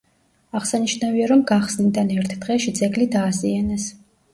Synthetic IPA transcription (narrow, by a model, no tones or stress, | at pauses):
aʁsaniʃnaviaɾɔmɡaχsnid̪anɛɾt̪ʰd̪̥ʁɛʃid̪zɛɡlid̪aːzianɛs